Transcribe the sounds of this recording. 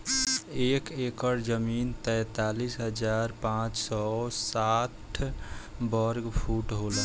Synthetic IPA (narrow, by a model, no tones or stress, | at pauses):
ekekəɾd͡ʒəmint̪ɛ̃ːt̪alisɦəd͡ʒaɾpãt͡ʃsɔsatʰbəɾɡpʰuʈɦolə